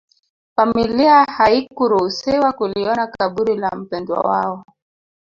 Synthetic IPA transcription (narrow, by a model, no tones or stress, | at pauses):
familiahaikuɾusɛwakuliɔnakaɓuɾilam̩pɛndwa̰wa̰ɔ